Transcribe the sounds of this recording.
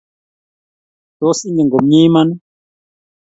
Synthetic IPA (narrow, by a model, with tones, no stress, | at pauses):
to˦si˦ɲɛ˨ŋɡo˨mɲi˦ma˦nɛ˦